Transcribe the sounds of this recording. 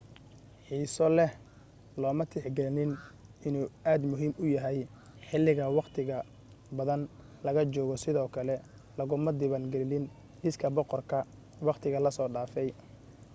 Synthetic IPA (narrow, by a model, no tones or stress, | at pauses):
ħiːsɔlɛh | lɔːmɐt̪ʰɪħɡɛlnɪnʔɪnuːaːd̪mʊɦiːmʊjɐɦɛj | ħɪlːɪɣɐwɑqt̪ʰɪɣɐ | bɐðɐn | lɐɣɐt͡ʃɔːɣɔsɪðɔːkʰɐlɛ | lɐɣʊmɐd̪ɪβanɡɛlɪlɪn | ʔɪskʰɐbɔqɔrkʰɐ | wɑqt̪ʰɪɣɐlɐsɔːɖaːfɛj